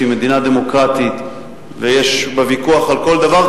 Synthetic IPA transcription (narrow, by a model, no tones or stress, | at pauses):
ime̞d̪inad̪e̞mo̞kʁat̪it̪ | vejeʃbevikuaχalko̞ld̪avaʁ